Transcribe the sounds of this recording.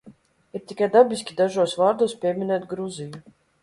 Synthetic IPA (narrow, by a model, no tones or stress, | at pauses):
iɾt̪ʲikajd̪abʲisʲkʲid̪aʒuɔsvaːɾd̪uɔspʲiɛmʲinɛːt̪ɡɾuziju